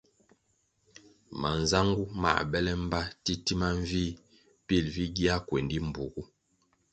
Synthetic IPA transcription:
ma˨n˨za˦ŋɡu˦ma̰˨bɛ˦lɛ˦m̩˦ba˦ti˦ti˦ma˦ɱ˦viː˦ | pi˦˨lvi˦ɡi˦a˦kwe˨ndi˦m̩˨bu˨ɡu˦

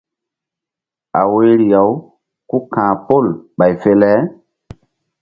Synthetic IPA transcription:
a˨we˦ɾi˨ja˨w | ku˦kãː˨po˦˨lɓa˨jfe˦lɛ˦

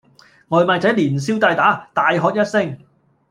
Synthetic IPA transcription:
ŋɔː˨˧jmaː˧t͡sɐ˨˥jliː˨˩ns̬iː˥wt̪a˧jt̪aː˨˥t̪aː˨˧jɦɔː˨˧k̚jɐ˥t̚sɪ˥ŋ

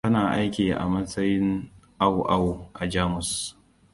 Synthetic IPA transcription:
ɐ˦naː˨ʔa˦jkʲiː˨ʔa̰˨mɐ˦sɐ˦jɪ˦nʔa˦˨wʔa˦˨wʔa˨d͡ʒaː˦mʊ˨s

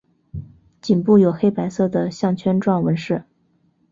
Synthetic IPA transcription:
t͡ɕi˨˩npu˥˩jo˨˩ʊxe˥ɪpa˧˥ɪsɤ˥˩d̪ə˩ɕjɑ˥˩ŋt͡ɕʰɥɛ˥nʈ͡ʂwɑ˥˩ŋwə˧˥nʂɻ̩˥˩

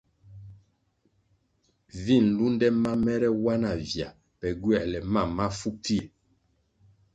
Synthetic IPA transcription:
vi˦˨n˨lu˦n˦dɛ˦ma˦mɛ˦ɾɛ˦wa˦na˨vja˨ | pɛ˨ɡɥɛ˦˨lɛ˨ma˦˨mːa˦fu˦pi˦e˨

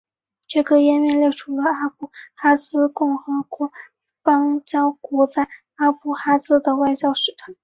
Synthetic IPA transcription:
ʈ͡ʂɤ˥˩kə˧˩jɛ˥nmjɛ˥˧nljɛ˥˩ɪʈ͡ʂʰu˧˥lə˧a˥pu˧˩xa˥sɹ̩˥kʊ˥˩ŋxɤ˧˥kwɔ˧˥ | pɑ˥ŋt͡ɕjɑ˥ʊkwɔ˧˥t͡sa˥˩ɪ | a˥pu˥˩xa˥sɹ̩˥d̪ə˨wa˥˧ɪt͡ɕjɑ˥ʊʂɻ̩˧˥˩t̪ʰwa˧˥˦n

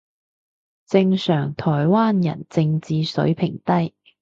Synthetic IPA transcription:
t͡sɪ˧ŋsœː˨˩ŋt̪ʰɔː˨˩jwaː˥njɐ̰˨˩nt͡sɪ˧ŋt͡siː˨˧sɵ̰˨˥ɥpʰɪ˨˩ŋt̪ɐ˥j

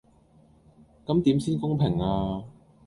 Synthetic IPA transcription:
kɐ˨˥mt̪i˨˥msiː˥nkʊ˥ŋpʰɪ˨˩ŋaː˧

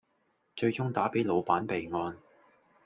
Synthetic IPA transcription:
t͡ʃɵ˧ɥt͡sʊ˥ŋt̪aː˨˥pe˨˥jlo˨˧wpaː˨˥npe˨jŋɔː˧n

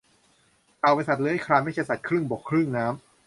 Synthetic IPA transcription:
kaː˨˩wba˧nsa˨˩lɤː˧jha˥˩kʰɾaː˧nma˥˩jt͡ɕʰa˥˩jsa˨˩kʰɾɯ˥˩ŋbɔː˨˩kʰːɾɯ˥˩ŋnaː˦˥m

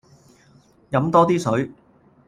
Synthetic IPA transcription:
jɐ˨˥mt̪ɔː˥t̪iː˥sɵ˨˥ɥ

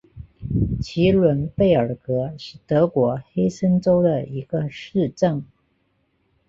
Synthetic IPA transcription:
t͡ɕʰi˧˥lwə˧˥npe˥˩ɪə˞˨˩kɤ˧˥ʂɻ̩˥˩t̪ɤ˧˥kwɔ˧˥xe˥ɪsə˥nʈ͡ʂo˥ʊd̪ə˨i˧˥ɡ̥ə˧ʂɻ̩˥˧ʈ͡ʂə˥˩ŋ

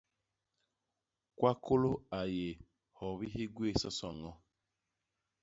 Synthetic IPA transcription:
kwa˦kʰo˦lo˦a˨je˨ | hɔ˨βi˦ɦi˦ɡwe˦˨sɔ˦sɔ˨ŋɔ˦

